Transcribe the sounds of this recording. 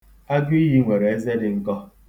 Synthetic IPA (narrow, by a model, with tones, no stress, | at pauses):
a˦ɡi˦ɦi˦ŋʷe˨ɾe˨e˦ze˦dɪ˨ŋ̩˦kɔ˦